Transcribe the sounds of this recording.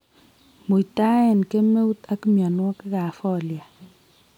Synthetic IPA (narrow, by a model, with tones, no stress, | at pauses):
mu˨ta˦ɛ˨nke˦me˦u˦ta˦ki˦mja˨nwɔ˦kɛ˦ka˨fɔ˦˨lja˨